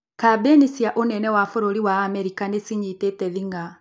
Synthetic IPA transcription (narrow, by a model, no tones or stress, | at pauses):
kabenisjaʔonɛnɛwafoɾoɾiwaːmɛɾikanesiɲitetɛðiŋɡa